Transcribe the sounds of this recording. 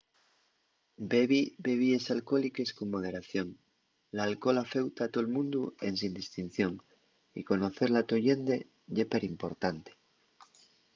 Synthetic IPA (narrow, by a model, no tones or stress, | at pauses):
beβibe̞β̞iesalko̞like̞skoŋmoðe̞ɾaθjo̞ŋ | laːlko̞lafe̞wt̪at̪olmũnd̪uensind̪ist̪in̟θjo̞ŋ | ḭko̞no̞θe̞ɾlat̪o̞ʎend̪e | ʝepeɾimpo̞ɾt̪ant̪e̥